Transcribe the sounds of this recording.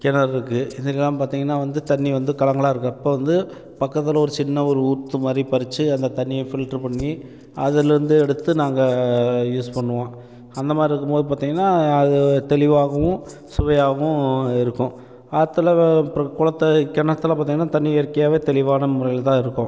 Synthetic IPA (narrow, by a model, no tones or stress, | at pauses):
kɛnɐɾɪɾɯkːɯɪðɐkːɐlːãːmpaːɾt̪iːŋɡɐnːaːʋɐnd̪ɯt̪ɐɳːiʋɐnd̪ɯkɐlɐŋɡɐɭaːɪɾɯkːɯɪpːoːʋɐnd̪ɯ | pɐkːɐt̪ːɪlɐɔɾɯt͡ʃɪnːɐɔɾɯuːt̪ːɯmaːd̪ɾipɐɾɪt͡ʃːɯɐnd̪ɐt̪ɐɳːɪjɐfɪlʈɾɯpɐɳːi | ɐðɪlɾɯnd̪ɯɛɽɯt̪ːɯnaːŋɡɐjuːspɐɳːɯʋõː | ɐnd̪ɐmaːd̪ɾiɪɾɯkːɯmpoːðɯp̬aːɾt̪iːŋɡɐnːaːɐðɯt̪ɛlɪʋaːɣɐʋʊ̃ | sʊʋɐjaːɣɐʊ̃ɪɾɯkːʊ̃ | at̪ːɯlɐkʊlɐt̪ːɐkɛnɐt̪ːɯɪlɐpaːɾt̪iːŋɡɐnːaːt̪ɐnːiɛɾɯkːɐjaːʋeːt̪ɛlɪʋaːnɐmʊɾɐjɪlt̪ãːɪɾɯkːʊ̃